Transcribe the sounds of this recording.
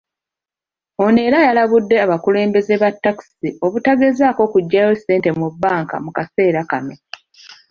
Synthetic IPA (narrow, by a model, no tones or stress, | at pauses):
o̞ne̞ːɾajalaβudːe̞aβakule̞ːmbe̞ze̞βatːaki̥siʔo̞βutaɡe̞zaːko̞kuɟːajese̞ːnte̞mubːaːŋka̰mukase̞ːɾakame